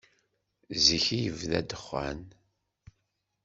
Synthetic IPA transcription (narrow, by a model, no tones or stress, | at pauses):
ziçijəvðæ̰d̪əχːæ̰n